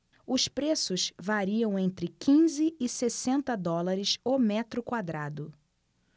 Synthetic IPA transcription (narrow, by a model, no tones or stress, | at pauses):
ʊspɾesʊsvaɾiɐ̃w̃ẽnt̪ɾɪkĩzɪɪsesẽnt̪ɐd̪ɔlaɾɪsomɛt̪ɾʊkwad̪ɾad̪ʊ